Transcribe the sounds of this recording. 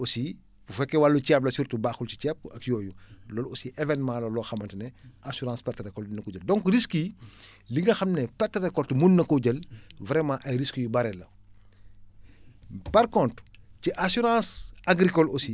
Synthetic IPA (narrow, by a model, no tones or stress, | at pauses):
osi | fufɛkːɛwalːucɛp̚lɐsurtubaːxult͡ʃi̥t͡ʃɛp̚ɐkjɔːjulɔlosiʔɛvɛnmãlɐlɔːxɐmɐntnɛʔasuɾãːspɛrtɾɛkɔldinːɐkɔɟəldɔ̃ŋkɾiski | liŋɡɐxɐmnɛpɛtːɾɛkɔltmunnɐkuɟɐlvɾɛmãːʔɐjɾiskujubɐɾɛlɐ | pɐɾkɔntɾciʔasuɾãsaɡɾikɔlosi